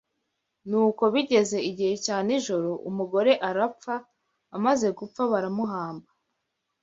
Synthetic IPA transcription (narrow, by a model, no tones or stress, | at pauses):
nuːko̞βiɟe̞ze̞iɟihe̞caːniʒo̞ɾo̞ʔumuɡo̞ɾe̞ʔaɾap͡faː | maze̞ɡup͡faβaɾamuɦaːmba